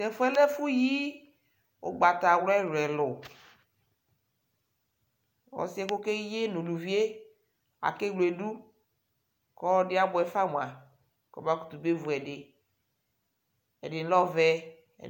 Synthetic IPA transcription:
tɛ˨fʊ˦ɛ˦lɛ˦fʊ˦ji˦ | o̰˨ɡ͡ba˨t̪a˨wɛ˦ɾɛ˨lʊ˨ | wɔ̰˨sɪ˦ɛ˦ko˦ke˦je˦no˨lu˨vi˦e˦ | a̰˨ke˦wle˨du˦ | kɔ˦dɪ˦a˦bʊ˨ɛ˨fa˦m˨a˨ | kɔ˨ba˦ku̥˨t̪u˨be˦vu˨ɛ˨dɪ˨ | ɛ̰˨dɪ˨n˦lɔ˦vɛ̰˦˨

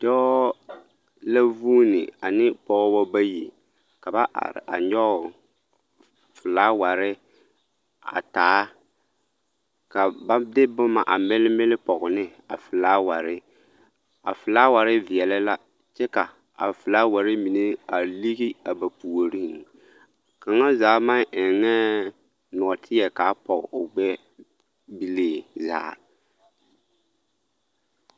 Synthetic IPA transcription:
d̥ɔ˦ | la˦vu˦nɪ̰˨a˨nɪ˦pɔ˦ɣɔ˦bɔ˦ba˦ji˨ | ka˨ba˦ʔa̰˨a̰˨ɲɔ˦ʊ˨ | fʊ˨laː˦wa˨ɾɪ˦ | a̰˨taː˨˦ | ka˨ba˦dɪ˦bʊ˦ma˨ʔa˨mɪ˦lɪ˦mɪ˦lɪ˦pɔ˨ɣʊ˨nɪ˦ | a̰˨fʊ˨laː˦wa˨ɾɪ˦ | a̰˨fɪ˨laː˦wa˨ɾɪ˦vɪ˨ɛ˨lɪ˦la˦ | t͡ʃɛ˦ka˨ | a̰˨fɪ˨laː˦wa˨ɾɪ˦mi˨ne˦a˨li˦ɣi˦a˨ba˨pu˨o˨ɾi˦˨ŋ | ka˨ŋa˦zaː˨˦ma˦ŋɪ˨ŋɛ˦ | nʊ˨ɔ˨tʰɪ˦jɛ˨ka˨˦pɔ˨ɣʊ˨ɡ͡bɛ˦ | bi˦leː˦˨za̰ː˨˦

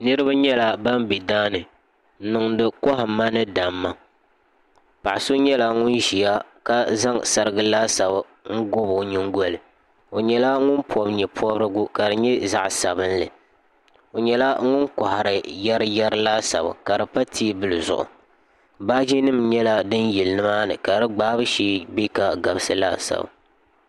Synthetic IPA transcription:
nɨ˦ɾɨ˦ba˦ɲɛ˦la˨ba˦mbi˨daː˦nɨ˨˦ | nɨ˨ŋdɨ˨kɔ˦ɦa˨mːa˦nɨ˦da˨mːa˦ | pa˨ʔso˦ɲɛ˦la˨ŋʊ˦nʒi˨ja˦ka˦za˦ŋsa˨ɾɨ˦˨ɡɨ˦laː˦sa˨bɨ˨ | ŋ̩˦ɡʊ˦bɲɪ˦ŋ˦ɡo˦lɨ˨ | o˨ɲɛ˨˦la˦ŋʊ˦npʰɔ˦bɲɛ˨pʰɔ˦bɾɨ˦ɡʊ˦ka˨dɨ˨ɲɛ˦za̰˦ʔsa̰˨bɨ˦nlɨ˨ | o˨ɲɛ˦la˦ŋʊ˦nkɔ˨ha˨ɾɨ˨jɛ˦ɾɨ˦jɛ˦ɾɨ˦laː˦sa̰˨ba̰˨ka˨dɨ˨pa˦tʰi˦˨bɨ˦lɨ˨zʊ̰˨ʔʊ̰˨ | baː˦d͡ʒi˦nɨ˦mɲɛ˦la˦dɨ˦nji˨lnɨ˦maː˦nɨ˨ka˨ɾɨ˦ɡ͡baː˦bɨ˦ʃeː˦be˦ka˨ɡa˨bɨ˦sɨ˦la̰ː˦sa̰˨b̰

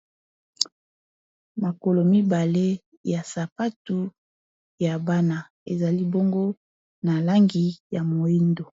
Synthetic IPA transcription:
ma˨ko˨lo˨mi˦ba˨le˦ | ja˨sa˨pa˦tu˨˦ | ja˨ba˦na˨ | e˨za˨li˦bo˦ŋɡo˦ | na˨la˦ŋɡi˨ja˨mo˨i˦ndo˨

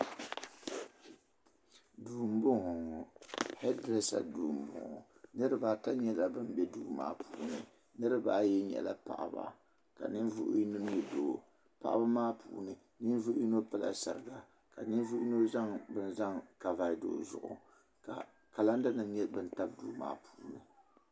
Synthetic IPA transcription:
duː˨m̩˦bʊ˦ŋʊ˨hɛ˦dɾɛ˦sa̰˨duː˨m̩˨bʊ̰˨ŋʊ̰˨ | nɨ˦ɾɨ˦ba˨ta˦ɲɛ˦la˨bɨ˦m˦bɛ˦duː˦ma̰ː˦pʰuː˨nɨ̰˨ | nɨ˦ɾɨ˦ba˨˦˨jɛ˦ɲɛ̰˨la̰˨pa̰˨ʔa̰˨ba̰˨ | ka̰˨nɨ˦nvṵ˦ʔi˦nɨ˦n˦ɛ˦do˨ | pa̰˨ʔa̰˦ba˦maː˦pʰṵː˨nɨ˨ | nɨ˦n˦vu˦ʔi˦no˦pɨ˦˨la̰˨sa̰˨ɾɨ˦˨ɡa˨ | ka˨nɨ˦nvu˦ʔno˦za˦ŋbɨ˦n˦za˦ŋka˨va˨˦do̰ː˨zʊ̰˨ʔʊ˨ | ka˨ | ka˨la˦n˦dɨ˦nɨ˨˦ɲɛ˦bɨ˦n˦ta˦b̚duː˦ma̰ː˦pʰuː˦nɨ˨

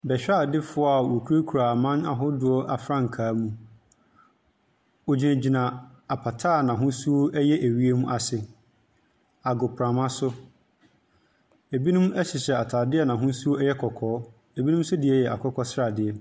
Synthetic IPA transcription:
bɛ˨ɕᶣa˦˨dɪ˦fʊ˦a˦˨wo˨kʰu˦ɾe˦kʰu˨ɾa˨mã˦na˨ɦʊ˦dʊ˨˦ɔ˦ʔa˨fɾã˦ŋ̩˨kʰaː˨˦mũ˦ | o˨d͡ʑi˨næ̃˨d͡ʑi˨nã˨ | a˨pʰa˨tʰaː˦˨nã˨ɦʊ̃˦su˦o˦ɛ˦jɛ˦ʔæ˨ɥi˦e˦mũ˦ʔa˨sɪ˨ | a˨ɡʊ˨pʰɾã˨mã˦sʊ˦ | e˨bi˦nũ˦mɛ˦ɕɪ˨ɕɛ˨a˨tʰaː˨dɪ˦ɛ˨nã˨ɦʊ̃˦su˦o˦ɛ˦jɛ˦kʰɔ˨kʰɔː˨˦ | e˨bi˦nũ˦m˦sʊ˦dɪ˨ɛ˦˨jɛ˨ʔa̰˨kʷʰɔ˦kʰɔ˦sɾa˨dɪ˨ɛ˨

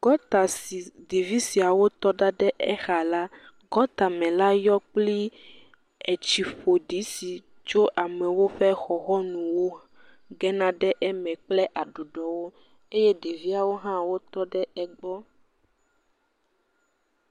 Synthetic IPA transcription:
ɡ̥ɔ˦t̪a˨si˨de˨vi˦si˨a˨wo˦t̪ɔ˦ɖa˦ɖɛ˦ʔɛ˦xa˨la˦ | ɡɔ˦t̪a˨mɛ̃˨la˦jɔ˦k͡pli˦ | ɛ˨t͡ʃi˨ɸo˨ɖi˨˦si˨ | t͡ʃo˦ʔa˨mɛ̃˨wo˦ɸɛ˦xɔ˨xɔ˦nũ˨wo˦ | ɡɛ˦nã˦ɖɛ˦ʔɛ˦mɛ̃˨k͡plɛ˦ʔa˨ɖu˨ɖɔ˨wo˦ | e˦je˦ɖe˨vi˦a˨wo˦ɦã˦wo˦t̪ɔ˦ɖɛ˦ɛ˨ɡ͡bɔ˦

